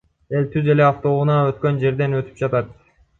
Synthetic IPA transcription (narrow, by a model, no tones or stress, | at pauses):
e̞lt̪ʰyze̞leɑft̪o̞ʁunɑøt̪kø̞nd͡ʒe̞ɾd̪e̞nøt̪y̥p̚d͡ʒɑt̪ɑt̪